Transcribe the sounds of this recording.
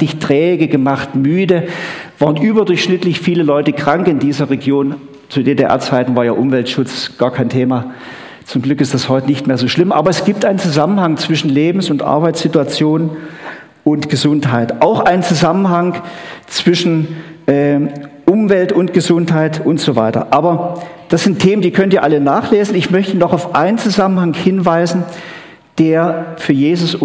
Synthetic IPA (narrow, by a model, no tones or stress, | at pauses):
ɪçtʁ̥ɛːɡəɡəmaχtmyːdəv̥aːʁənʔyːbɐdʊɐçʃnɪtlɪçfiːləlɔʏtəkʁ̥aŋkɪndiːzɐʁeɡjoːn | t͡sudedeʔɛ̰ɐt͡saɪtn̩vaːɐjaːʔʊmvɛltʃʊt͡sɡ̥aːɐkʰaɪntʰeːma | t͡sʊmɡlʏkɪstd̥ashɔʏtənɪçtmeːɐzoːʃlɪmʔa̰ːbɐɛsɡ̥iːp̚tʔaɪnənt͡suzamən̩haŋt͡sv̥ɪʃn̩leːbm̩sʊntʔa̰ɐbaɪt͡sz̥ɪtuat͡sjoːn | ʔʊntɡ̥əzʊnthaɪtʔaʊxʔaɪnənt͡suzamənɦaŋt͡sv̥ɪʃn̩ʔɛːʔʊmvɛltʊntɡ̥əzʊnthaɪtʊntz̥oːva̰ɪtɐ̰ʔaːbɐd̥asz̥ɪntʰːeːməndiːkʰœntiːɐʔalənaːχleːzn̩ɪçmœçtənɔχaʊfʔa̰ɪnənt͡suzamən̩haŋhɪnvaɪzn̩ | d̥eːɐfyːɐjeːzʊs